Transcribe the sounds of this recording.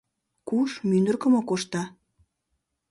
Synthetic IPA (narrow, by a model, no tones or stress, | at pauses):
kuʃmynd̪ərkəmokoʃt̪ɑ